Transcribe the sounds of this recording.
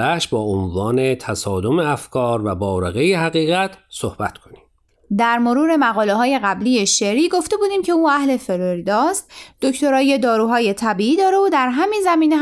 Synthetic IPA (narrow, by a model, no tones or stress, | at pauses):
æʃbɒːonvɒːnet̪ʰæsɒːd̪o̞meæfkʰɒːɾvæbɒːɾeɣejehæɣiːɣæt̪ʰsohb̥æt̪ʰkʰonim | d̪æɾmo̞ɾuːɾe̞mæɣɒːle̞ɦɒːje̞ɣæblije̞ʃeɾiːɡo̞ft̪e̞buːd̪iːmcʰe̞uːæhle̞fe̞ɾoɾid̪ɒːst̪d̪̥o̞ct̪o̞ɾɒːjed̪ɒːɾuːɦɒːje̞t̪ʰæbiːiːd̪ɒːɾe̞od̪æɾɦæmiːnzæmiːne